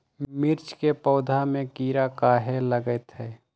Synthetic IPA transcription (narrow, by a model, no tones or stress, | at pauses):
mɪɾt͡ʃkepɔːd̪ʱamẽkiːɾakaːɦeləɡət̪ɦɛː